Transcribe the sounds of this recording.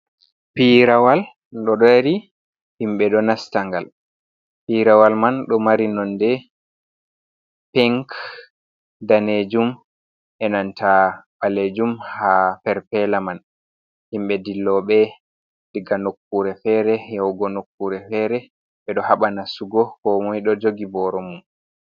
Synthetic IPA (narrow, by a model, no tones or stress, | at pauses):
piɾawal | ɗɔɗɔɾi | himɓɛɗɔnastaŋɡal | piɾawalmanɗɔmaɾinɔndɛ | pɛŋk | daned͡ʒum | ʔɛnantʰaɓaled͡ʒumhapɛɾpɛlaman | himɓɛdilːɔɓɛ | diɡanokːuɾɛfɛɾɛjɛwɡɔnokːuɾɛfɛɾɛ | ɓɛɗɔhaɓanasuɡɔkɔmɔjɗɔd͡ʒoɡibɔɾɔmum